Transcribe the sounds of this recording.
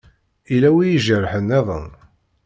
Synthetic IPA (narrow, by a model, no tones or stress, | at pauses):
ilæwijiʒərːħənːæðˤə̰n